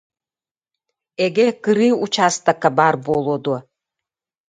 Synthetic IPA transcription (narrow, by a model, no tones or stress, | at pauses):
eɡʲekɨɾiut͡ʃʰast̪akabarbolˠod̪o